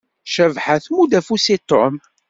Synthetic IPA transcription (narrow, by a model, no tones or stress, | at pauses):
ʃəvħaθmud̪æfusit̪ːom